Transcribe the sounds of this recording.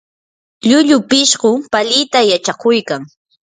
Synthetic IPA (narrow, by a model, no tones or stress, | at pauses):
ʎʊʎʊpɪʃɢʊpaʎɪjt̪ajat͡ʃakʊjkaŋ